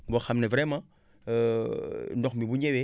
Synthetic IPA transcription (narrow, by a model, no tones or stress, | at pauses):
bɔxamnɛvɾɛmã | ndɔkmibuɲɛwe